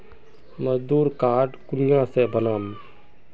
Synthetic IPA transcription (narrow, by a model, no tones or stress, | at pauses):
məzd̪uːɾkaːɖkʊlɪjãsebənaːm